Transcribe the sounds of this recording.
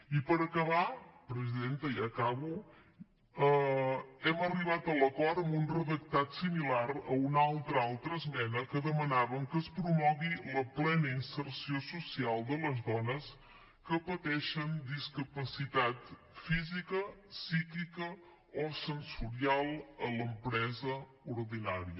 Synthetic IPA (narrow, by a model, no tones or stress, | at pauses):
ipəɾəkəβapɾəziðent̪əiakaβu | ə | ɛməriβ̞at̪ələkɔɾəmbunrəðək̚t̪at̪similaɾəunalˠt̪ɾəalˠt̪ɾəːzmɛnəkəðəmənaβəŋkəspɾumɔɣiləplɛnəinsəɾsiosusialˠd̪ələzðɔnəs | kəpət̪ɛʃənd̪iskəpəsit̪at̪ | fizikəsikikə | osənsuɾialˠələmpɾɛzə | uɾðinaɾiə